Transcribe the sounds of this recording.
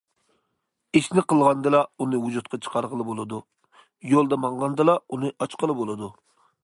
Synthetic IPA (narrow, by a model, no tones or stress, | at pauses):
eʃnɪqəlˠʁɑnd̪ɨlˠɑunɨwud͡ʒut̪̚qʰɑt͡ʃʰə̥qʰɑɾʁəlˠɨbolˠɨd̪u | jolˠd̪ɛmɑɴʁɑnd̪ɨlˠɑunɨʔɑt͡ʃqəlˠɨbolˠɨd̪u